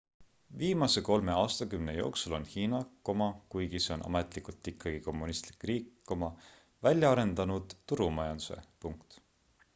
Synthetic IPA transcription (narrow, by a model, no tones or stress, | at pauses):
viːmɑse̞ko̞lme̞ɑːst̪ɑkymne̞jo̞ːksulo̞nhiːnɑkomɑkujɡ̥iseo̞nʔɑ̰met̪ˑlikult̪ːˑikʰːɑɡ̥iko̞mːunist̪li̥kːˑriːkːomɑ | vælʲjɑɑɾe̞nd̪̥ɑnud̪̥ːuɾumɑjɑnd̪̥u̥se̞̰puŋkt̪